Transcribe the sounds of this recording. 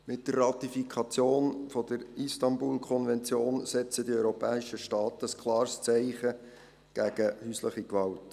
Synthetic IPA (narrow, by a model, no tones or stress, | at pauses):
mɪt̚d̥ərːɑt̪ifikʰɑt͡sjoːnfɔdəɾistɑnbuːlkʰɔnvɛnt͡sjoːnsɛt͡sədiœʏɾɔpɛːɪʃəʃtɑːtəːskʰlɑːɾst͡sæɪχə | ɡ̥æɡ̥əhyːsləχikʋɑlt